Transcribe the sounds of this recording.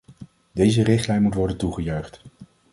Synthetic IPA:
dejzərɪχtlɛjnmutʋɔɹdəntuχəjœɥχt

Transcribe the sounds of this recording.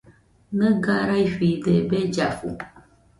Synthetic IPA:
nəɡaɾajɸidɛbɛd͡ʒafṵ

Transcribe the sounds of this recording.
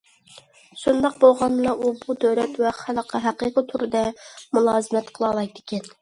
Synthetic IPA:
ʃund̪ɑq̚bolˠʁɑnlˠɑʔubud̪øwɾɛt̪wɛχælˠəqʰɑɦæqiːqət̪ʰuɾɨd̪ɛmulˠɑːzɨmɛt̪qʰəlˠɑlˠɑjd̪ɪ̥kʲɛn

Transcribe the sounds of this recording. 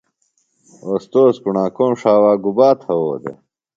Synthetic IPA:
oːst̪oːskuɳãːkõːmʂaːwaːɡubaːt̪ʰɐwoːd̪ḛ

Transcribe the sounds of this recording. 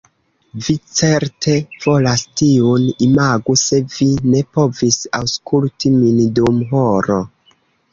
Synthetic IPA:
vit͡se̞ɾtʰe̞v̥o̞lastiunimaɡuse̞vine̞po̞visawskʰultimindumɦoɾo

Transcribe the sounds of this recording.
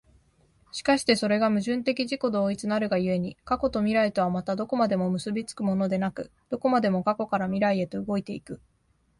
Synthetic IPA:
ɕi̥kaɕi̥t̪e̞so̞ɾe̞ɡamɯ̟ʑɨ̃nt̪e̞kʲiʑiko̞d̪o̞ːit͡sɨnaɾɯ̟ɡajɯ̟e̞ɲ̟ikako̞t̪o̞mʲiɾait̪o̞βamat̪ad̪o̞ko̞mad̪e̞mo̞mɯ̟sɨbʲit͡sɨ̥kɯ̟mo̞no̞d̪e̞nakɯ̟ | d̪̥o̞ko̞mad̪e̞mo̞kako̞kaɾamʲiɾaie̞t̪o̞ɯɡo̞it̪e̞ikɯ̟

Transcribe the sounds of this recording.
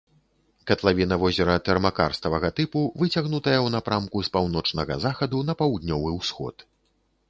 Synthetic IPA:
kɐt̪lˠavʲinɐvɔzʲɛɾɐt̪ɛrmakarst̪ɐvɐɣɐt̪ɨpuvɨt͡sʲaɣnut̪ɐjɐwnapɾamkuspawnɔt͡ʂnɐɣɐ̰zaxɐd̪unɐpawd̪nʲɔvɨwsxɔ̰t̪

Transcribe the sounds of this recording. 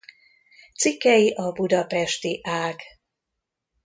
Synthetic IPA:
t̪sikːɛjiʔɒbud̪ɒpɛʃt̪iʔaːɡ

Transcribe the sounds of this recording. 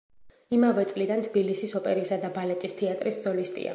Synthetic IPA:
imavɛt̪sʼlid̪ant̪ʰbilisisɔpʼɛɾisad̪abalɛt̪ʼist̪ʰɛat̪ʼɾisd̪z̥ɔlist̪ʼḭa̰

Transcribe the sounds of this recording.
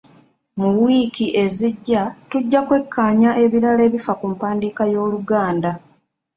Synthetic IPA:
muwiːkiʔe̞ziɟːatuɟːakwe̞kʰːaːɲaʔe̞βiɾale̞ːβifakumpaːndiːkajo̞ːluɡaːnda

